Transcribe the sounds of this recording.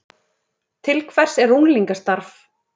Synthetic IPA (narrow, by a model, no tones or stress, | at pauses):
t̪ʰɪlkʰvɛr̥sɛɾuŋliŋkast̪aɾf